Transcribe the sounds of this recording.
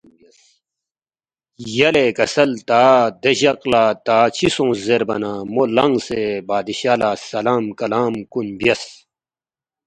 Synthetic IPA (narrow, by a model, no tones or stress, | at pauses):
jɐlekɐsɐlt̪aːd̪eɕɐqlaːt̪aːt͡ɕʰisõːzeɾbɐ̰naːmolɐŋɡsebaːd̪iɕaːlaːsɐlaːmkɐlaːmkunbjɐs